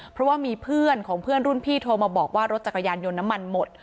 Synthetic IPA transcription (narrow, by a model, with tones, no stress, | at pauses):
pʰɾɔ˦˥waː˥˩miː˧pʰɯ˥˩ənkʰɔː˩˦ŋpʰɯ˥˩ənɾu˥˩npʰiː˥˩t̪ʰoː˧maː˧bɔː˨˩k̚waː˥˩ɾo˦˥t̪̚t͡ɕa˨˩kːa˧jaː˧njo˧nːa˦˥mːa˧nmo˨˩t̪̚